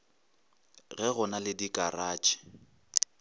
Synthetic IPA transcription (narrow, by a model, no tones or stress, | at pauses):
ɣɛɣʊnalɪdikʼaraːt͡ʃʼɪ̥